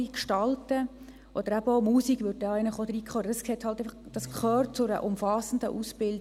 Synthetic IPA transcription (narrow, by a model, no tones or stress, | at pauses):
ikʃtɑltə | ʔɔd̥̪əɾæbəomuːsiɡvʏt̚dɑæɪnəχod̪ɾiːkʰχøɾəɑskhɛthɑltæɪfχd̥ɑskχøːrt̚t͡sʊɾə̰ʔʊmfɑsən̩də̰ʔusb̥ɪld